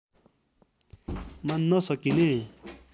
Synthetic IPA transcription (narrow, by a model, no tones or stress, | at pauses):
manːʌsʌkine